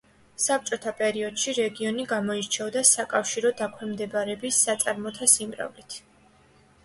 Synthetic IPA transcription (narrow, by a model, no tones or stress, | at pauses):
sap̚t͡ʃʼɔt̪ʰapʼɛɾiɔd̪̥ʃiɾɛɡiɔniɡamɔiɾt͡ʃʰɛvɔd̪asakʼafʃiɾɔd̪akʰwɛmd̪ɛbaɾɛbisːat̪sʼaɾmɔt̪ʰasimɾa̰vlit̪ʰ